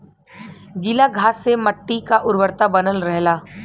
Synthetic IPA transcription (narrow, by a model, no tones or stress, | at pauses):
ɡɪlaɡʱaːsːemɐʈːikaʔʊɾwəɾt̪abɐnəlɾɛɦlaː